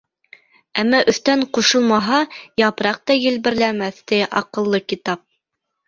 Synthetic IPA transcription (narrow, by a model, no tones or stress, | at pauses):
æmːæʔɵ̆θt̪æɴquʃɤ̆lˠmɑɦɑjɑpɾɑq̚t̪ɑjɘ̆lβɘ̆ɾlæmæθt̪ɘʔɑqɤ̆lˠːɤkit̪ɑp̚